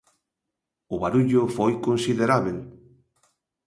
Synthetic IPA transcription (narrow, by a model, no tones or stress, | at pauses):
ʊβaɾuʎʊfojkonsiðeɾaβel